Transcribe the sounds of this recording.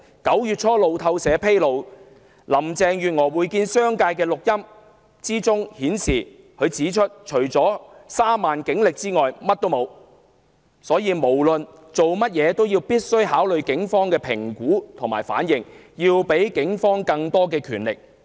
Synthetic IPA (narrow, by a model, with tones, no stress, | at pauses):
kɐ˨˥wjyː˨t̚t͡ʃʰɔː˥lo˨wt̪ʰɐ˧wsɛː˨˧pʰe˥jlo˨w | lɐ˨˩mt͡sɛː˧ŋjyː˨t̚ŋɔː˨˩wuː˨˧jkiː˧nsœː˥ŋkaː˧jkɛː˧lʊ˨k̚jɐ˥m | t͡siː˥t͡sʊ˥ŋhiː˨˥nsḭː˨˩ | kʰɵ˨˧ɥt͡siː˨˥t͡ʃʰɵ˥t̚t͡ʃʰɵ˨˩ɥt͡sɔː˨˥saː˥maː˨nkɪ˨˥ŋlɪ˨k̚t͡siː˥ŋɔː˨jmɐ˥t̚t̪o˥wmo˨˧w | sɔː˨˥jiː˨˧mo˨˩wlɵ˨n | t͡so˨wmɐ˥t̚jɛː˨˧t̪o˥wjiː˧wpiː˥t̚sɵ˥ɥɦaː˨˥wlɵ˨ɥkɪ˨˥ŋfɔː˥ŋkɛː˧pʰɪ˨˩ŋkuː˨˥t̪ʰʊ˨˩ŋma̰ː˨˩jfa̰ː˨˥njɪ˨ŋ | jiː˧wpe˨˥jkɪ˨˥ŋfɔː˥ŋkɐ˧ŋt̪ɔː˥kɛː˧kʰyː˨˩nlɪ̰˨k̚